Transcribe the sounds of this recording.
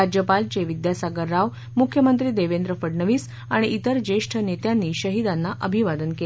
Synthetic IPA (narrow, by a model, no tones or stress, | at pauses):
ad͡ʑjəpalt͡ɕeʋid̪jasaɡəɾːaʋ | mukʰjəmənt̪ɾiːd̪eʋend̪ɾəfəɽɳəʋiːs | aɽ̃iʔit̪əɾd͡ʑeʂʈʰənet̪janːiːɕəɦid̪anːaʔəbʱiʋad̪ənke